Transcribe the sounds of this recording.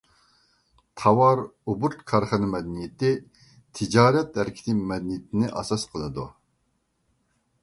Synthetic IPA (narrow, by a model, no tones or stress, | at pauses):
t̪ʰɑwɑɾubuɾt̪kʰɑɾχɨnɨmɛd̪ɛnijɪt̪ɪ | t̪ʰɪd͡ʒɑːɾɛt̪hæɾkʲʰɪ̥t̪ʰɪmɛd̪ɪnijɪt̪ʰɪnɪʔɑ̰sɑsqʰəlˠɨd̪u